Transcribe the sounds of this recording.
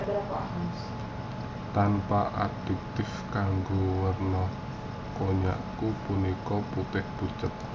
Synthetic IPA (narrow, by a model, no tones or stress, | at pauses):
t̪anpa̰ʔad̥ɛ̤k̚t̪ɪfkaŋɡowərnɔ | koɲa̰ʔkupunikɔput̪ɪhb̥ut͡ʃət̪̚